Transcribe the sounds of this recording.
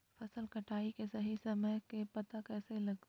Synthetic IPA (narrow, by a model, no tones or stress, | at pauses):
fɐsəlkɐʈʰaːikesɐɦisɐməjkepɐt̪akɛːselɐɡt̪